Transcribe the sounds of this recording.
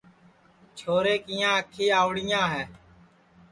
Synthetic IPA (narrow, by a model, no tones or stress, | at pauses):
t͡ʃʰoːɾeːkiːjãːəkʰiːaːʊɽɪjãːɦɛː